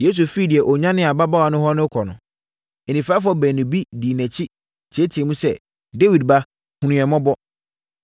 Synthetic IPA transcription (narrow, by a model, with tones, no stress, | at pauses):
je˨˦s̬u˨fi˦˨di˨ɛ˨ʔɔ˨ɲã˦nɪ̃˦a˨ba˦ba˦wa˨nʊ̃˦ɦɔ˦nʊ̃˦kʰɔ˨nʊ̃˨ | e˨nĩ˨faː˦fɔ˦bæ̃˨nĩ˨bi˦di˨næ̃˨t͡ɕʰi˦ | tʰɪ˨ɛ˦tʰɪ˨ɛ˨mũ˦sɛ̰˦˨ | de˦wi˨d̚ba˦ | hũ˨nũ˨ɛ˨mɔ̃˦bɔ˦